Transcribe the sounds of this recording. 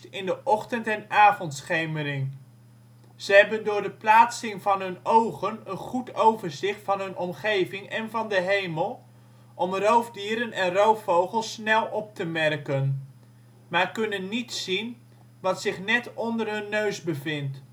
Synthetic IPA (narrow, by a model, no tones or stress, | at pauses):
tɪndəʔɔχtəntɛnaːvɔntsχejmərɪŋ | z̥əɦɛbəndʊːɹdəplaːtsɪŋvɑnɦɵnowχənənχutowvəɹzɪχtfɑnɦɵnʔɔmχejvɪŋɛnvɑndəɦejməlˠ | ʔɔmrowvdiːɾənɛnrowfowχəlˠsnɛlˠɔp̚təmɛrkən | maːɹkɵnənːitsin | ʋɑtsɪχnɛtɔndərɦɵnːøɥzbəvɪnt